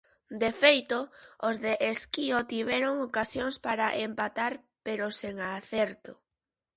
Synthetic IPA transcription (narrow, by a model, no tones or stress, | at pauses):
d̪efejt̪oozðeʔeskiot̪iβɛɾoŋokasjoŋspaɾaʔempat̪aɾ | peɾoseŋaθɛɾt̪o